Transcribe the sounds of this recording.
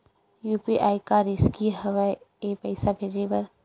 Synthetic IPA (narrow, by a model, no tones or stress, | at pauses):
juːpiʔaːikaɾɪskiɦɐʋaːjepɐɪsabʱeːd͡ʒebɐɾ